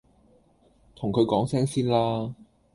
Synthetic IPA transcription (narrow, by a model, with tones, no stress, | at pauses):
t̪ʰʊ˨˩ŋkʰɵ˨˧ɥkɔː˨˥ŋsɛː˥ŋsiː˥nlaː˥